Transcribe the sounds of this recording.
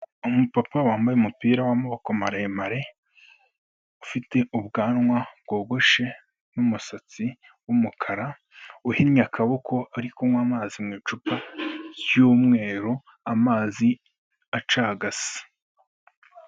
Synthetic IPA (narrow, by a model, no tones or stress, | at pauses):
umupapawaːmbajeumupiːɾawamuβakomaɾajemaɾe̞ | ufite̞ʔuβɡaːnŋwab̚ɡ̥o̞ːɡo̞ʃe̞ | numusat͡si | wumukʰaɾa | uhinɲakʰawokʰo̞aɾikomwamaːzimŋiːt͡ʃupaɾjuːmŋe̞ːɾo | amaːzi | at͡ʃaɡasi̥